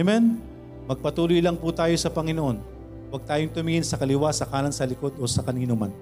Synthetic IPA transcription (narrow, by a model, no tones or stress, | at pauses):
mɛn | mɐɡ̚pɐt̪uːlojlɐŋput̪aːjo̞sɐpɐŋɪnoʔo̞n | wɐɡ̚t̪aːjoŋt̪ʊmɪŋɪnsɐkɐlɪwasɐkaːlɐŋsɐlɪko̞d̪o̞sɐkɐniːnoman